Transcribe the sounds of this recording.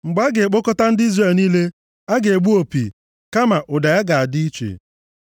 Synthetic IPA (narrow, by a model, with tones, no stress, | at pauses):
ŋ͡m̩˨ɡ͡ba˦ɡe˨k͡po˦kɔ˦ta˦n̩˦di˦zre˨lniː˦le˦ | a˦ɡe˨e˨ɡ͡bu˦o˨pḭ˨ | ka˦ma˨ʔʊ˨da˨ja˦ɡa˨a˨dɪ˦i˦t͡ʃḛ˨